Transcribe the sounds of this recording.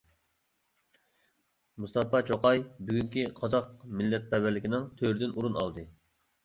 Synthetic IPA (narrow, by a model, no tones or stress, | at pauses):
must̪ɑpɑt͡ʃʰoqɑjbyɡʲyŋkʲiqʰɑzɑqmɪlːɛt̪̚pɛbɪɾlɪkʲinɪŋt̪ʰøɾd̪ɪnuɾunɑ̰lˠd̪ɨ